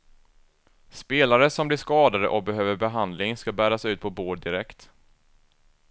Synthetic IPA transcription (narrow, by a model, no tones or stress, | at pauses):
speːlaɾəsɔmblɪʂkɑːd̪ad̪ə̰ʔɔk̚bɛɦøːvəɾbɛɦand̪lɪŋskabæːɾasʉ̟ːt̪̚pʰɔboːɖd̪ɪɾɛkt̪